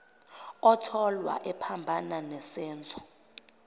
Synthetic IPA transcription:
ɔtʰɔlwa̰ʔɛpʰambʱananɛsɛːnt͡sʰʼɔ̥

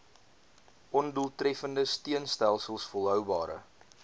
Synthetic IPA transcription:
ʔɔnduəlˠtrɛfəndəstiənstælˠsəlˠsfɔlˠɦœwbɑːɾə̰

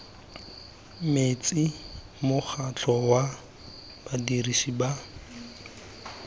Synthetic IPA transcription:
met͡si | mʊk͡xʰat͡ɬʰɔwa | b̥adiriʃiba

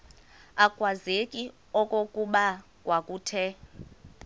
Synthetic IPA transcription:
akʼwazekʼi | ɔkʼokʼuɓa | kʼwakʼuːtʰɛ

